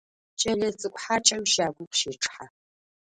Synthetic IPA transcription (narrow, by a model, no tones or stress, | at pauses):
t͡ʃʼɐɮɐt͡sʼɨkʷʼħat͡ʃʼɐmʃaːɡʷʊqʃeːʈ͡ʂʼħa